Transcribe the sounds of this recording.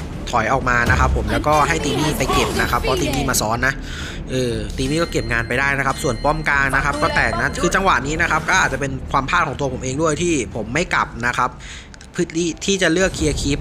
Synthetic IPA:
t̪ʰɔ˩˦jʔɔː˨˩k̚maː˧na˦˥kʰa˦˥pʰːo˩˦mlɛː˦˥wkɔː˥˩ɦa˥˩jt̪iː˧niː˥˩pa˧jke˨˩p̚na˦˥kʰa˦˥pʰːɔː˧˥t̪iː˧miː˥˩maː˧sɔː˦˥nːa˦˥ʔ | ʔɤː˨˩t̪iː˧miː˥˩kɔː˥˩ke˨˩p̚ŋaː˧npa˧jdaː˥˩jna˦˥kʰa˦˥p̚su˨˩ənpɔ˥˩mkaː˧ŋna˦˥kʰa˦˥p̚kɔː˥˩t̪ɛː˨˩na˦˥kʰɯː˧t͡ɕa˧ŋwa˨˩niː˦˥na˦˥kʰa˦˥p̚kɔː˥ʔa˨˩t̪̚t͡ɕa˨˩pe˧nkʰwaː˧mpʰaː˥˩t̪kʰɔː˩˦ŋt̪u˧ɐpʰo˩˦mʔeː˧ŋdu˥˩əjt̪ʰiː˥˩pʰo˩˦mːa˥˩jka˨˩p̚na˦˥kʰa˦˥p̚ʰː | ɯ˥˩t̪iː˥˩t̪ʰiː˥˩t͡ɕa˨˩lɯ˥˩əkʰːi˧ə˧kʰi˦˥p̚

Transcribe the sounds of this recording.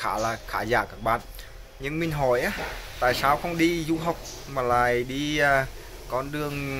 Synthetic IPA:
xaː˧˩˦laː˨˩xaː˧˩za̰ː˧˩kaː˧˥˩k̚ɓa̰ː˧˨n | ɲɨ˧ŋmï˨˩ŋ̟ɦɔ˧˩jʔaː˨˦t̪a̰ː˧˨jsaː˧wxə˧wŋ͡mɗi˧zu˧ɦɔ˨˩wk͡p̚ | maː˨˩la̰ː˨jɗi˧aː˧˩ | kɔ˧˦nɗɨ˨˩əŋ

